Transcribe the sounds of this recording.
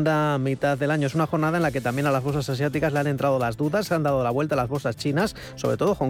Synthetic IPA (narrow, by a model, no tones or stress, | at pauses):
nd̪amit̪aððe̞laɲoesunaxo̞ɾnaðaenlake̞t̪ambjenalazβo̞lsasas̬jat̪ikazleane̞nt̪ɾaðo̞lazðuðasand̪aðolaβwe̞lt̪aːlazβo̞sast͡ʃinasːo̞βɾe̞t̪o̞ðo̞koŋ